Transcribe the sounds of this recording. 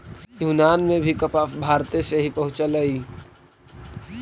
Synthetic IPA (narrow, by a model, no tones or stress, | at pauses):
junaːnmẽbʱikəpaːfbʱaːɾt̪eseɦipɐɦʊ̃t͡ʃələi